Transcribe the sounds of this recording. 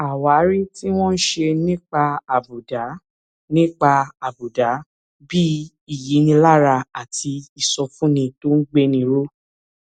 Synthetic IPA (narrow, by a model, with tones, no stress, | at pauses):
a˨wa˨˦ɾi˦ti˦w̃ɔ̃˦n̩˦ʃe˧nĩ˦k͡pa˧a˨bu˨da˨˦ | nĩ˦k͡pa˧a˨bu˨da˨˦ | bi˦ | i˦˨ji˨˦nĩ˧la˦ɾa˧a˨tʰi˧i˨sɔ˧fũ˦nĩ˧to˦n̩˦ɡ͡be˦nĩ˧ɾo˦